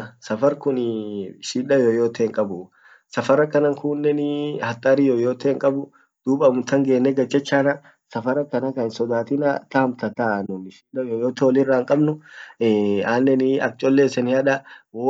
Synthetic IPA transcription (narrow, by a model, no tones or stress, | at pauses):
sɐfɐɾkʊnʃiːᶑɐjojoːt̪eːŋkʼɐbʊ | sɐfɐɾɐkɐnɐŋkʊːnːɛnɪhɐt̪ʼːaːɾijoːjoːt̪eːŋkʼɐbʊ | d̪̥uːbɐmʊt̪ɐŋɡeːnːɛɡɐt͡ʃːɐt͡ʃːaːnɐ | sɐfɐɾɐkɐnɐkɐɪnsɔd̪aːt̪ɪnɐt̪ɐhmt̪ɐt̪anʊnɪʃiːᶑɐjoːjoːt̪ɛɔlɪrːaːŋkʼɐbnʊ | aːnːɛnɪɐ̰k̚t͡ʃʼɔlːeːsɛnɪhɐᶑɐ